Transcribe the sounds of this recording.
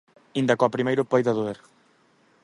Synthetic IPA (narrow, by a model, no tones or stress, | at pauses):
ind̪ɐkɔpɾimejɾʊpɔjðɐðueɾ